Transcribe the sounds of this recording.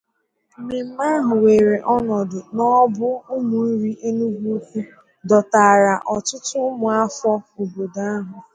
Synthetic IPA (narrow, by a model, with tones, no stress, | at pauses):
mi˨m̩˦a˦ɦʊ˨we˨ɾe˨ʔɔ˦nɔ˨dʊ˨nɔ˦bʊ˦ʊ˦mʊ˨n̩˦ɾi˦ʔe˦nu˦ɡʷu˦kʷu˦ | dɔ˨ta˨ɾa˨ʔɔ˨tʊ˦tʊ˦mʊ˨a˦fɔ˦o˨bo˨da˦ɦʊ˨